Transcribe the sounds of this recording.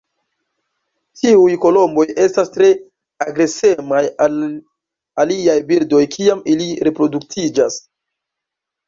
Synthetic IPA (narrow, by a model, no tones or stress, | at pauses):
tiujko̞lo̞mbo̞je̞stastɾe̞ | aɡɾe̞se̞majal | aliajbildo̞jkʰiamiliɾe̞pɾo̞duk̚tʰid͡ʒas